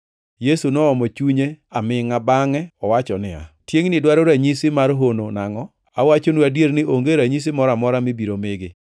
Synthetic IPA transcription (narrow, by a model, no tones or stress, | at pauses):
jesunɔɔmɔt͡ʃuɲeamɪŋabaŋɛɔwat͡ʃɔnɪa̰tjeŋnɪdwaɾoɾaɲisɪmaɾɦononaŋɔ | awat͡ʃonwadjeɾnɪʔoŋɡeɾaɲis̬ɪmɔɾamɔɾamɪbiɾomɪɡɪ